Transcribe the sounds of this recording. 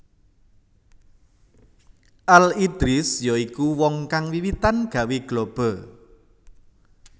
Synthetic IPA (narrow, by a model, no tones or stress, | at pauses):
ʔalid̪̥ɾɪsjɔikuwɔŋkaŋwiwit̪anɡ̥a̤weɡ̥lob̥ɔ̤